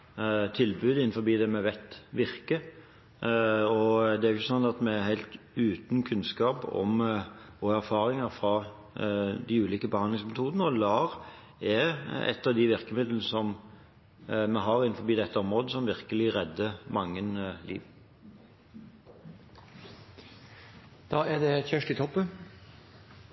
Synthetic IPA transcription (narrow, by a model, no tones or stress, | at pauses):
t̪ʰɪlbʉːd̪ɪn̩fɔbiːd̪ɛːmɛʋæt̪ʋɪʁkə | ɔd̪ɛæɾjʊçːəsɔnːɑt̪mɛæɦæɪlt̪ | ʉːt̪nkʰʉnskɑːpɔ̰m | ɔæɾfɑːɾɪŋɑfɾɑ | d̪ɪʉːliːkəbəhɑnlɪŋsmɛt̪ʰuːd̪ənəɔlɑːʁ | ɛɛ̰t̪ːɑʋd̪ɪʋɪʁkəmɪd̪l̩n̩əsɔm | mɛɦɑɾɪnfɔɾbiːd̪ɛt̪ːəɔmʁoːd̪əsɔmʋɪʁkəlɪʁɛd̪ːəmɑŋːənlḭːʋ | d̪̥ɑːæd̪ɛçœʂʈɪt̪ʰɔpːən